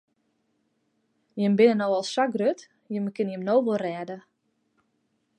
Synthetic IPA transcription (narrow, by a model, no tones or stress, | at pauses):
jəmbɪnənowɔlˠsːakrøt | jəməkɪnjəmnowʋərɛːdə